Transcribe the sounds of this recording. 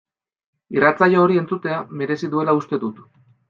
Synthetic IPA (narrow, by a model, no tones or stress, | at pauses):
irat͡sajooɾie̞nt͡sut̪e̞ame̞ɾe̞siðue̞laust̪e̞ðut̪